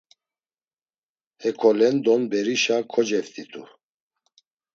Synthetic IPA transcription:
hɛkʰɔlɛnd̪ɔnbɛɾiʃakʰɔd͡ʒɛft̪ʰit̪ʰṵ

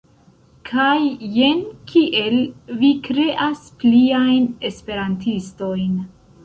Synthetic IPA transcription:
kʰajːe̞nkʰiʔe̞lvikɾe̞ʔaspliajne̞spe̞ɾantisto̞jn

